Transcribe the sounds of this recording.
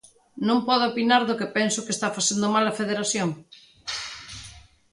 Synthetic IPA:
nõŋpɔðoopinaɾðʊkepɛnsʊkest̪afaθend̪ʊmalɐfeðeɾaθjoŋ

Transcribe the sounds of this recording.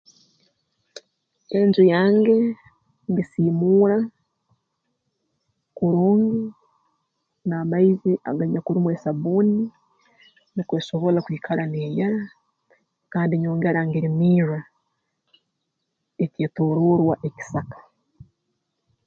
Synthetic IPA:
enzujaːŋɡe̞ | ŋɡisiːmuːɾa | kuɾoːŋɡi | naːmaiziʔa̰ɡaɲakuɾimwe̞ːsaβuːni | nikwe̞ːʃo̞βo̞lakwiːkʰalaneːjaɾa | kaːndiɲo̞ːŋɡeɾaŋɡeɾimiːɾa | eceːtoɾoɾwaʔe̞ci̥sakḁ

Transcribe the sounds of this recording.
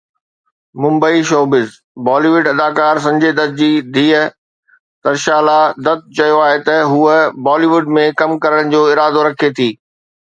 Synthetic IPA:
mʊ̃mbəiʃoːbɪz | baːliːʋʊɖɐd̪aːkaːɾs̬ɐ̃ɲd͡ʑʱed̪ɐd̪̚d͡ʑiːd̪ʱiːə | t̪ɐɾʃaːlad̪ɐt̪̚t͡ɕɐjoaːɦet̪ɐɦuəbɔːliːʋʊɖmẽkɐmkɐɾəɽ̃d͡ʑoːɪɾaːd̪oɾɐkʰet̪ʰiː

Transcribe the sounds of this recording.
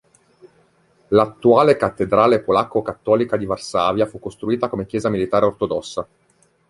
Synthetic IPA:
lat̪ːuaːlekat̪ːed̪ɾaːlepolakːokat̪ːɔːlikad̪ivarsaːvjafukːost̪ɾuiːt̪akomekjɛːzamilit̪aːɾeort̪od̪ɔsːa

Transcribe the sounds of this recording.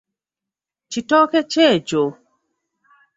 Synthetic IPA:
t͡ʃitɔkɛt͡ʃɛd͡ʒo

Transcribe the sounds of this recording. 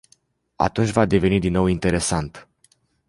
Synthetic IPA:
a̰t̪unt͡ʃʲvad̪e̞ve̞nid̪inːo̞wint̪e̞ɾe̞sant̪

